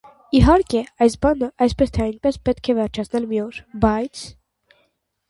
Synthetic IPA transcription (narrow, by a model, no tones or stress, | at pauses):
iɦɑɾkɛɑjsbɑnəʔɑjspɛst̪ʰɛɑjnpɛspɛt̪kʰɛvɛɾt͡ʃʰɑt͡sʰnɛlmiɔɾbɑjt͡sʰ